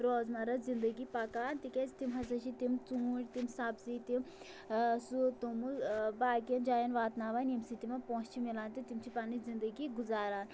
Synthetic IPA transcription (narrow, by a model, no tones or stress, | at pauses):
ɾoːzmɐɾɐzind̪əɡipɐkaːnt̪ikʲet͡st̪imɦɐsɐʃʰit̪imt͡suːʈʲt̪imsabzit̪im | sut̪umubaːkijɐnd͡ʒaːjɐnʋaːt̪naːʋanemsit̪imapõːt͡ʃt͡ʃʰimilaːnt̪it̪imt͡ʃʰipanizind̪əɡiɡuzaːɾaːn